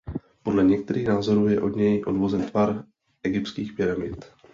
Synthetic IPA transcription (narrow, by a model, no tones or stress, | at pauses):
po̞dlɛɲɛk̚t̪ɛɾiːɣnaːzo̞ɾuːjɛʔo̞dɲɛjʔo̞dvo̞zɛnt̪vaɾ | ʔɛɡɪpt̪skiːxpɪɾamɪt̪